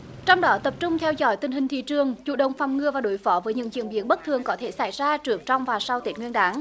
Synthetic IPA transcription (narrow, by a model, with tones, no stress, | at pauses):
t͡ɕɔ˧wŋ͡mɗɔ˨˦t̪ə˨˩p̚t͡ɕʊ˧ŋ͡mt̪ʰɛ˧wzɔ̰˧˥jt̪ï˨˩ŋ̟hï̟˨˩t̪ḭ˧˨t͡ɕɨ˨˩əŋt͡ɕṵ˧˨ɗə˨˩wŋ͡mfa˨˩wŋ͡mŋɨ˨˩əvaː˨˩ɗo˨˦jfɔ˨˦vəː˨˦jɲɨ̰˧˥ŋzḭ˧ənɓḭ˨˦ənɓə˦˥t̚t̪ʰɨ˨˩əŋkɔ˨˦t̪ʰe˧˩sa˧˩jzaː˧t͡ɕɨ˨˦ək̚t͡ɕɔ˧wŋ͡mvaː˨˩sa˧wt̪i˨˦˩t̚ŋwi˧ənɗaː˨˦ŋ